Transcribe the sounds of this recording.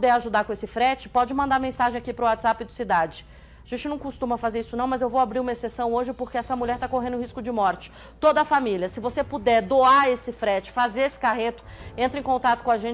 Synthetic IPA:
d̪ɛɾaʒud̪aɾkõesɪfɾɛt͡ʃɪ̥pɔd͡ʒɪmɐ̃nd̪aɾmẽsaʒẽj̃akipɾʊat̪z̥apɪd̪ʊsid̪ad͡ʒɪ | ʒ̥ẽnt͡ʃɪnɐ̃w̃kost̪ũmɐfazeɾisʊnɐ̃w̃mɐzewvowabɾiɾumɐesesɐ̃w̃oʒɪpoɾkeɛsɐmuʎʲɛɾt̪akoɦẽnd̪ʊhiskʊd͡ʒɪmɔɾt͡ʃɪ̥ | t̪od̪ɐːfamiljɐsɪvosepud̪ɛɾd̪oaesɪfɾɛt͡ʃɪ̥fazeɾesɪ̥kaɦet̪ʊ̥ẽnt̪ɾɪẽkõnt̪at̪ʊkõaʒẽ

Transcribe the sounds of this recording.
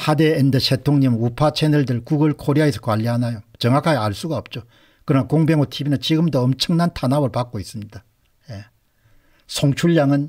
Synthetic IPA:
hade̞ːndɯɕʰetʰoŋɲimupʰat͡ɕʰenɯɭdɯɭkuɡɯɭkʰoɾiaesʰʌ̥kwaʎːiɦanajot͡ɕʌŋakʰad͡ʑiaɭs͈uɡaʌp̚t͡ɕ͈o | kɯɾʌnakoŋbeŋotʰibinɯnt͡ɕiɡɯmdʌːmt͡ɕʰɯŋnantʰanabɯɭpak͈ois͈ɯmɲida | je | sʰoŋt͡ɕʰuɭːaŋɯn

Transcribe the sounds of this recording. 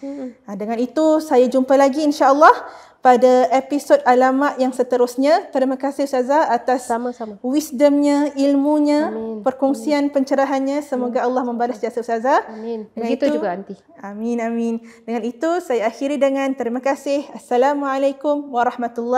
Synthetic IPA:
adəŋãnit̪usajad͡ʒumpalaɡiːnʃaʔəlːɔh | padaepisodalamaʔjaŋsət̪əɾʊsɲãt̪əɾimãkasɪsazaat̪aswisdəmɲãilmuɲãpərkɔŋsianpəɲt͡ʃəɾaɦanɲãsəmoɡaəlːɑhmə̃mbalasd͡ʒasasazadəŋnt̪ud͡ʒuɡant̪i | aminamindəŋanit̪usajaːxiɾidəŋãnt̪əɾimãkasɪhasːalamuʕalajkʊmwaɾˤɑhmat̪ulːɔ

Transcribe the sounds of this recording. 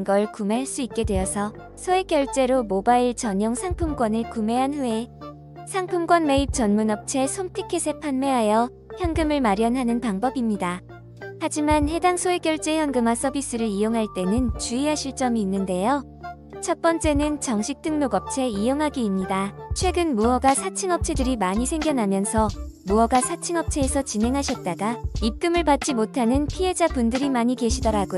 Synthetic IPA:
nɡʌɯɭkumeɦaɭs͈uit̚k͈e̞dwe̞jʌsʰʌ | sʰoek͈jʌɭt͡ɕ͈e̞ɾomobaiɭt͡ɕʌɲʌŋsʰaŋpʰumɡwʌnɯɭkume̞ɦanhue | sʰaŋpʰumɡ͈wʌnme̞ip̚t͡ɕʌnmunʌp̚t͡ɕʰe̞sʰomtʰikʰesʰe̞pʰanme̞ɦajʌ | çjʌnɡɯmɯɭmaɾjʌnɦanɯnpaŋbʌbimɲida | had͡ʑimanhe̞daŋsʰoek͈jʌɭt͡ɕ͈e̞jʌnɡɯmas͈ʰʌbis͈ɯɾɯɾijoŋɦaɭt͈e̞nɯnt͡ɕuiɦaɕʰiɭt͡ɕ͈ʌmiːnːɯnde̞jo | t͡ɕʰʌt̚p͈ʌnt͡ɕ͈e̞nɯnt͡ɕʌŋɕʰik̚t͈ɯŋmoɡʌp̚t͡ɕʰe̞ijoŋɦaɡiimɲidat͡ɕʰwe̞ɡɯnmuʌɡasʰat͡ɕʰɯŋʌp̚t͡ɕʰe̞dɯɾimaɲisʰe̞ŋɡjʌnɦamjʌnsʰʌmuʌɡasʰat͡ɕʰiŋʌp̚t͡ɕʰe̞ːsʰʌt͡ɕinɦe̞ŋɦaɕʰʌt̚t͈aɡaip̚k͈ɯmɯɭpat̚t͡ɕ͈imotʰanɯnpʰiɦe̞d͡ʑapundɯɾimaɲike̞ɕʰidʌɾaɡo

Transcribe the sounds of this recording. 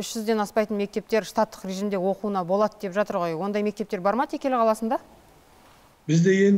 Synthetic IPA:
ʏʃʒ̥ʏzd̪e̞nɑspɑjt̪ənme̞k̚t̪e̞p̚t̪e̞ɾst̪at̪ːə̥qɾʲe̞ʒijmd̪e̞wo̞quənɑbolˠɑt̪əd̪e̞pʒɑt̪əɾʁo̞jwo̞nd̪ɑjme̞kt̪e̞p̚t̪eɾbɑɾmɑd̪ʰekʲe̞lɪqʰɑlˠɑsənd̪ɑ | bɪzd̪e̞ɡʲe̞n

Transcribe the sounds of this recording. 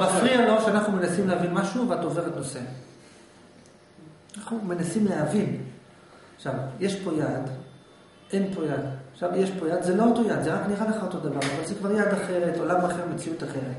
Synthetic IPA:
bafʁialo̞ʃeanaχnumenasimleavinmaʃuvat̪o̞ve̞ʁet̪no̞se̞ | naχnume̞nasimleɦavin | aχʃavje̞ʃpo̞jad̪ | e̞npo̞jad̪aχʃavjeʃpo̞jad̪zelo̞oto̞jad̪zeʁakniʁaleχaot̪o̞d̪avaʁavalzekvaʁjad̪aχe̞ʁet̪o̞lamaχeʁmet͡siut̪aχe̞ʁet̪

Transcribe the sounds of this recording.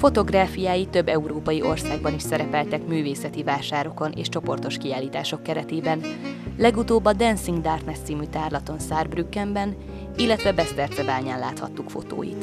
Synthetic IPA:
fo̞t̪o̞ɡraːfijaːjit̪ø̞bːɛuɾoːpɒjiʔo̞rsaːɡ̚bɒniʃsɛɾɛpɛlt̪ɛkmyːveːsɛt̪ivaːʃaːɾo̞ko̞nʔḛːʃt͡ʃo̞po̞rt̪o̞ʃkiaːlːiːt̪aːʃo̞kːɛɾɛt̪eːbɛnlɛɡut̪oːbːɒd̪ɛnsiŋɡd̪aːrt̪nɛt̪siːmyt̪aːrlɒt̪o̞nsaːrbrykːɛmbɛn | ilːɛt̪ʋɛbɛst̪ɛrt̪sɛbaːɲaːnlaːt̪hɒ̰t̪ːukfo̞̰t̪o̰ːjḭt̪

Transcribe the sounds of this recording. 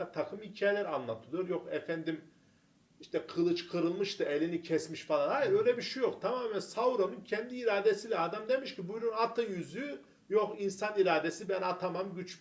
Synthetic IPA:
t̪ʰakʰɯmhicʰaːjelʲæɾanlˠat̪ʰɯlˠɯjoɾjo̞xɛfænd̪im | iʃt̪ʰɛkʰɯlˠɯt͡ʃkʰɯɾɯlˠmɯʃt̪ɯelʲinicʰɛsmiʃfalˠanhajɯɾø̞jlʲɛbiʃujo̞kt̪ʰamaːmɛnsavɾonuncʰɛnd̪iːɾaːd̪esilʲɛad̪amd̪emiʃcibujnynat̪ʰɯjyzy | jo̞xinsaniɾaːd̪esibænat̪ʰamamɟyt͡ʃ

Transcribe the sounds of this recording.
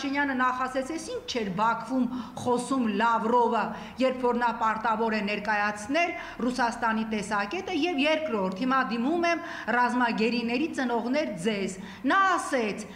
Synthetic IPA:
ʃinjɑnənɑχɑsɛt͡sʰɛsint͡ʃʰt͡ʃʰɛɾbɑkʰvumχɔsumlɑvrɔvə | jɛɾpʰfɔɾnɑpɑɾt̪ɑvɔɾɛnɛɾkɑjɑt͡sʰnɛl | rusɑst̪ɑnit̪ɛsɑkɛt̪əjɛvjɛɾkɾɔɾt̪ʰhimɑd̪imumɛm | rɑzmɑɡɛɾinɛɾit͡sənɔʁnɛɾd͡zɛz | nɑːsɛt͡sʰ

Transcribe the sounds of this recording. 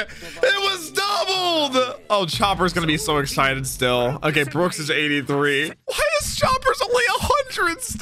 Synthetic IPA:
ɪt̚wʌzdʌbl̩ˠdoʊt͡ʃʰɑpə˞zɡʌnɨbisoʊɨksaɪɾɨd̥stɪlˠo̰ʊkeɪbɹʊksɨzeɪɾiθɹiwaɪɨz̥t͡ʃʰɑpə˞zõʊ̃nliəhʌ̃ndɹɨd̥st

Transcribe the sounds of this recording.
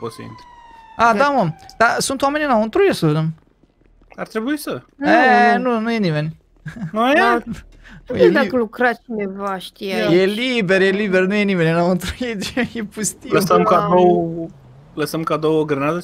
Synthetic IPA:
pot̪sə̰ḭnt̪ɾead̪amomd̪̥asunt̪wamenʲnaunt̪ɾujesəved̪em | art̪ɾebuisə | enunujenimenʲ | nu | jed̪akəlukɾat͡ʃinevaʃt̪ijajelibeɾjelibernujenimenʲnaunt̪ɾujed̪jepust̪iləsəmkad̪ow | ləsəmkad̪owəɡɾənad̪ə

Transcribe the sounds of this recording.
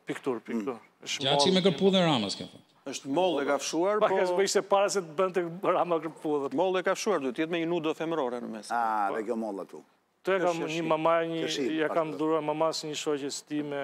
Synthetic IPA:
pikt̪uɾpikt̪uɾ | əʃat͡ʃimɛk̬əɾpuðɛɾamaska̰faəʃt̪mɔlˠɛkafʃuaɾpapɔkɛʃmɛiʃt̪ɛpaɾas̬ɛt̪əbənt̪̬ɛɾamakəɾpuðɛmɔlˠɛkafʃuaɾd̪uɛt̪ɛt̪mɛɲənud̪ɔfɛməɾɔɾɛnəmɛsaɛkɔmɔlˠa̰t̪ṵ | t̪ɔjakamɲəmamaɲəijakamðuɾuaɾmamasɲəʃɔcɛst̪imɛ

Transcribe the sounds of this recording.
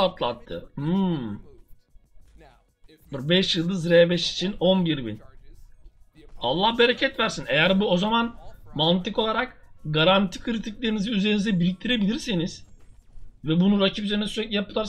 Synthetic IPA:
at̪lˠa̰t̪ʰːɯ̰hɯ | bbɛʃjɯlˠd̪ɯzɾebɛʃi̥t͡ʃʰino̞nbiɾbḭn | a̰lˠːahbeɾecʰɛt̪væɾsinejæɾbuo̞zamanmant̪ʰɯko̞lˠaɾakɡaɾant̪ʰi̥kʰɯɾit̪ʰiclʲe̞ɾiniziyze̞ɾinizd̪ɛbiɾic̚t̪ʰiɾe̞bilʲiɾseniz̥ | vɛbunuɾacʰipyzeɾnɛsyɾɛclʲɛjapɯlˠaɾ

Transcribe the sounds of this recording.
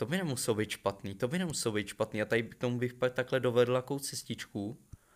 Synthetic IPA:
t̪o̞bɪnɛmusɛlobijt̪ʃpat̪niːt̪o̞bɪnɛmusɛlobijt̪ʃpat̪niːat̪adɪbk̚t̪omubɪxpak̚t̪aklɛdo̞vɛdl̩jakowt͡sɛscɪt͡ʃku

